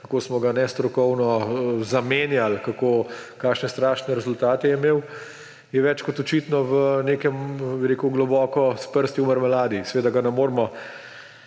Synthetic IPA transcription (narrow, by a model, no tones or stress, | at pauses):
kakosmɔɡanɛst̪ɾɔkɔwnɔzameːnjalkakoːkaːkʃnɛst̪ɾaːʃnɛɾɛzʊlt̪aːt̪ɛɛimeːw | jɛʋɛt͡ʃkɔt̪ɔt͡ʃiːt̪nɔʋəneːkɛmbiɾekuɡlɔbɔːkɔspəɾst̪jiuməɾmɛlaːd̪isɛʋeːd̪aɡanɛmoːɾmɔ